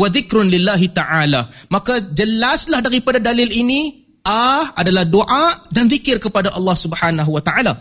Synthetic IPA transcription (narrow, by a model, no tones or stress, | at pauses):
waðɪkɾʊnlɪlːaɦit̪aʕalamakad͡ʒəlaslahdaɾipadadalɪlini | ʔaʔadalahdoʔadanðikɪrkəpadaʔɑlːɑhsubħanaɦuwat̪aʕala